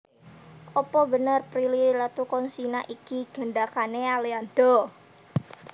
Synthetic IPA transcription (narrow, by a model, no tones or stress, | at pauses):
ʔɔpɔbənərpɾililat̪ukɔnsinaʔikiɡ̥ə̤nɖakanealeand̪̥ɔ